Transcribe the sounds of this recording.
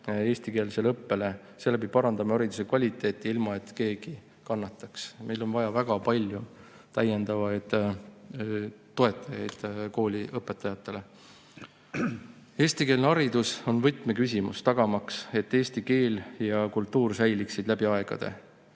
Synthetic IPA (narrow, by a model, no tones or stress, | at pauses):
e̞ːst̪ike̞ːlselɤpːe̞le̞ | se̞lːæpipɑɾɑnd̪ɑmɑɑɾid̪use̞kvɑlʲit̪ːˑe̞ːt̪ːˑiilmɑe̞t̪ːˑke̞ːɡ̥i | kɑnːɑt̪ːˑɑksmejlo̞nvɑjɑvæɡ̥ɑpɑlʲju | t̪æje̞nd̪̥ɑvɑjd̪̥ | t̪ːo̞e̞t̪ːˑɑjɑjd̪̥ko̞ːlʲiʔɤpːˑet̪ːˑɑjɑt̪ːˑe̞le̞ | eːst̪ike̞ːlneɑɾid̪̥uso̞nvɤjt̪ˑme̞kysʲimṵst̪ɑɡ̥ɑmɑkse̞t̪ːe̞ːsʲt̪ike̞ːljɑkult̪ːuːrsæjliksid̪læbiɑe̞ɡ̥ɑ̰d̪̥e̞̰